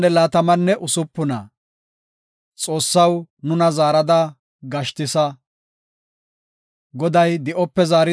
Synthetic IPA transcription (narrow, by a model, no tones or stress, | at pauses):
ɛlaːt̪ɐmɐnːɛʔʊsʊpːʊnɐ̰ | t͡sʼo̞ːsːɐwnʊnɐzaːɾɐd̪ɐ | ɡɐʃt̪ɪsɐ | ɡɔd̪ɐjd̪ɪʔɔpːɛzaːɾɪ